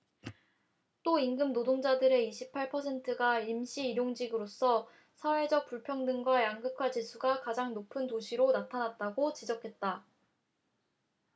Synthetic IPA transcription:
t͈oinɡɯmnodoŋd͡ʑadɯɾe̞iɕʰipʰaɭpʰʌsʰe̞ntʰɯɡaimɕʰiːɾjoŋd͡ʑiɡɯɾos͈ʌ | sʰawe̞d͡ʑʌk̚p͈uɭpʰjʌŋdɯŋɡwajaŋɡɯkʰwat͡ɕisʰuɡakad͡ʑaŋnopʰɯntoɕʰiɾonatʰanat̚t͈aɡot͡ɕid͡ʑʌkʰe̞t̚t͈a

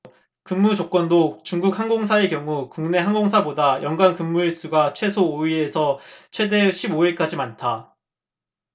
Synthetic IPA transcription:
kɯmːud͡ʑok͈wʌndot͡ɕuŋɡuk̚haŋɡoŋsʰae̞kjʌŋukuŋne̞ɦaŋɡoŋs̬ʰabodajʌŋɡwankɯmːuɭs͈uɡat͡ɕʰwe̞sʰoːiɾe̞sʰʌt͡ɕʰwe̞de̞ɕʰiboiɭk͈ad͡ʑimantʰa

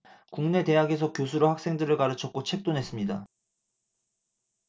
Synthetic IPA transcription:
kuŋne̞te̞ɦaɡe̞s̬ʰʌkjosʰuɾohak̚s͈e̞ŋdɯɾɯɭkaɾɯt͡ɕʰʌk̚k͈ot͡ɕʰe̞k̚t͈onɦe̞s͈ɯmɲida

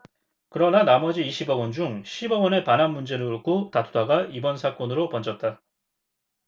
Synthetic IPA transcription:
kɯɾʌnanamʌd͡ʑiːɕʰibʌɡʌnd͡ʑuŋɕʰibʌɡʌnepanɦanmund͡ʑe̞ɾɯuɭk͈ʰotatʰudaɡaibʌnsʰak͈ʌnɯɾopʌnd͡ʑʌt̚t͈a

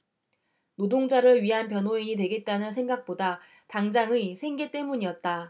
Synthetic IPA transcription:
nodoŋd͡ʑaɾɯɭɥiɦanp̬jʌnɦoiɲit̬we̞ɡe̞t̚t͈anɯnsʰe̞ŋɡak̚p͈oda | taŋd͡ʑaŋɯisʰe̞ŋɡe̞t͈e̞muɲiʌt̚t͈a

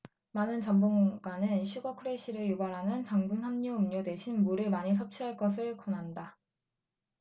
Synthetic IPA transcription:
manɯnt͡ɕʌmboŋɡanɯnɕʰiɡʌkʰɯɾeɕʰiɾɯjubaɾɦanɯntaŋbɯnhamɲuɯmɲodwe̞ɕʰinmuɾɯɭmaɲis̬ʰʌp̚t͡ɕʰiɦaɭk͈ʌsʰɯɭkʌnɦanda

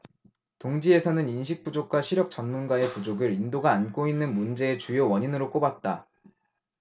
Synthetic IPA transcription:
toŋd͡ʑie̞sʰʌnɯninɕ̬ʰik̚p͈ud͡ʑok̚k͈waɕʰiɾjʌk̚t͡ɕʌnmunɡwae̞pud͡ʑoɡɯɾindoɡaːnk͈oinːɯnmund͡ʑe̞ːt͡ɕujowʌɲinɯɾok͈obat̚t͈a

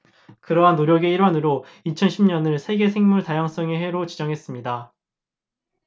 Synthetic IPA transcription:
kɯɾʌɦanːoɾjʌɡe̞iɾwanɯɾo | it͡ɕʰʌnɕʰimɲʌnɯɭsʰe̞ɡe̞sʰe̞ŋmuɭtajaŋs͈ʌŋeɦe̞ɾot͡ɕid͡ʑʌŋɦe̞s͈ɯmɲida

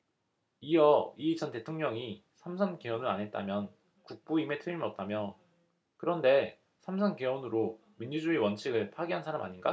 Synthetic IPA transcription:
ijʌit͡ɕʰʌnte̞tʰoŋɲʌŋi | sʰamsʰankewʌnɯɭanɦe̞t̚t͈a̰mjʌn | kuk̚p͈uime̞tʰɯɾimʌt̚t͈amjʌ | kɯɾʌnde̞ | sʰamsʰanke̞wʌnɯɾo | miɲːud͡ʑuiwʌnt͡ɕʰiɡɯɭpʰaɡiɦansʰaɾama̰ɲinɡa̰

